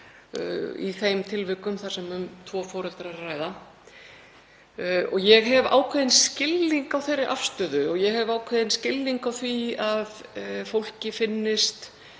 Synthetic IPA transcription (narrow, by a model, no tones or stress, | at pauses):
ḭθejmt̪ʰɪlvɪkʏmθaɾ̥sɛmʏmt̪ʰvɔːfɔːɾɛlt̪ɾaɾraːjða | ɔɣjɛɣɦɛva̰ːwkʰvɛðɪnscɪlːiŋkawθejɾɪʔafst̪ʏːðʏɔɣjɛɣɦɛvaːwkʰvɛðɪnscɪlːiŋkawθviaðfowl̥cɪfɪnːɪst̪